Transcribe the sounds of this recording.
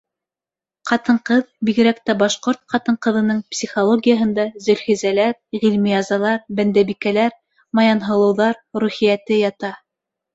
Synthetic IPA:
qɑt̪ɤ̆ɴqɤðbiɣɘ̆ɾækt̪æbɑʃqoɾt̪̚qɑt̪ɤ̆ɴqɤ̆ðɤ̆nɤɴpsʲiχolˠoɡʲijaɦɤ̆nd̪ɑzɵ̆lχizælæɾʁilmiɑzɑlˠɑɾbænd̪æβikælæɾ | mɑjɑnɦɤ̆lˠɤ̆wðɑɾɾʉχijæt̪ɘjɑt̪ɑ

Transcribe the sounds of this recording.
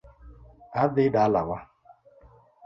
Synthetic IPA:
adɪdaalawa

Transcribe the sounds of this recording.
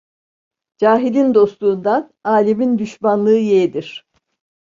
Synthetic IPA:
d͡ʒaːɦilʲind̪o̞slˠuːnd̪anaːlʲemind̪yʃmanlˠɯːjed̪iɾ̥

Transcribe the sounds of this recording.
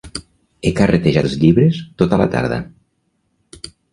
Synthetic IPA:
ekaret̪eʒat̪zʎiβɾest̪ot̪ələ̰t̪a̰ɾðə̰

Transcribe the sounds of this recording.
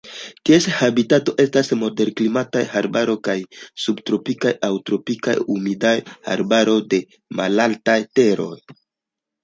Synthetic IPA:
tieshabitato̞ʔe̞stasmo̞de̞ɾklimatajhaɾbaɾo̞jkajsubtɾo̞pikajawtɾo̞pika̰jumidajha̰ɾbaɾo̞de̞ | malaltajte̞ɾo̞̰j

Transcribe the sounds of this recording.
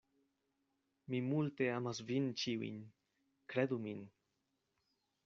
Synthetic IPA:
mimult̪eamazvint͡ʃiwḭɲ | kɾed̪umin

